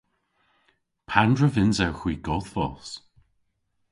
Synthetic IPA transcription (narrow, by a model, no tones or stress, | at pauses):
pʰandɹəvɪnzɛwxw̥iːɡɔðvɔ̰s